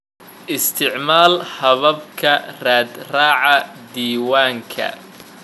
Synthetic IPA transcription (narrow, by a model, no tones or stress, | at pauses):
ʔɪst̪ʰɪʕmaːlhɐβɐb̚kʰɐraːd̪raːʕɑ | d̪iːwaːŋkʰɐ̰